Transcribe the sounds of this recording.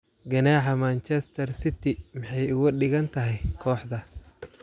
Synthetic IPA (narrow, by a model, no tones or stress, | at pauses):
ɡɐnaːħɐmaːnt͡ʃɛst̪ʰɐrsɪt̪ʰɪmɪħɑjʊɣʊɗɪɣɐnt̪ʰɐɦɛjkʰɔːħd̪ɐ